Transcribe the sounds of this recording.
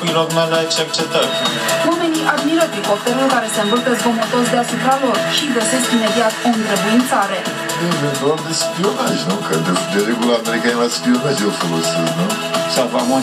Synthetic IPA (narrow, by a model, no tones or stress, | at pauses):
ujɾoɡmelat͡ʃert͡ʃet̪əɾʲwame̞niʔad̪miɾət̪ikop̚t̪eɾokaɾe̞seɨnvəlt̪əzɡomot̪o̞sd̪easupɾalo̞rʃiɡəse̞skime̞d̪iat̪oɨnt̪ɾebujint̪saɾe̞ | nemevod̪espionaʒʲnukəd̪ed̪eɾeɡulameɾikanevaspionazofolosit̪nu | savamo